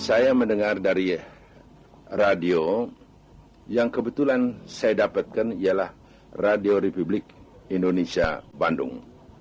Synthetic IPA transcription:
sajaməndəŋardaɾi | radio | jaŋkəbət̪ulansajadapat̪̚kanialah | radioɾepublɪk̚ | indonesia̰bandʊ̰ŋ

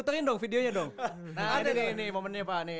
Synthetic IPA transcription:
ut̪aɾɪndɔŋfideoɲadɔŋ | nadininimomənɲapani

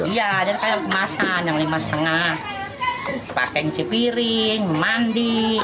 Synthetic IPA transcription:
ijad͡ʒadikajakmasajaŋlimasə̥t̪əŋah | pa̰kɛŋt͡ʃipiɾɪŋmandi

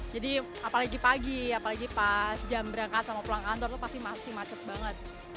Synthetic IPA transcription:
d͡ʒadi | apalaɡipaɡiapalaɡipasd͡ʒambəɾaŋkat̪̚samapulaŋkant̪ɔrt̪upast̪imasimat͡ʃət̪̚baŋət̪̚

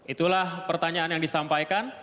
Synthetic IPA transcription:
ʔit̪ulahpərt̪aɲaːnjaŋdisampajkan

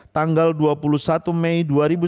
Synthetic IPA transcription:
t̪aŋɡalduapulusat̪umejduaɾibu

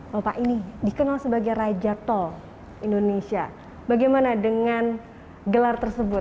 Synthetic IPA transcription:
apaʔinidikənalsəbaɡajrad͡ʒat̪ɔ | indonesia | baɡajmanadəŋan | ɡəlart̪ərsəbʊt̪̚

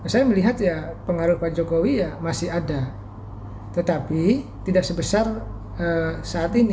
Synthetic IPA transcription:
nasajaməliɦat̪japəŋaɾʊhpad͡ʒokowijamasɪhada | t̪ət̪apit̪idaʔsəbəsar | əsaːt̪ini

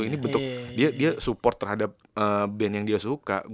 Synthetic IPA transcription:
inibənt̪ʊk̚diadiasupɔrt̪ːərhadap̚əːbɛnjaŋdiasuka̰ʔɡ

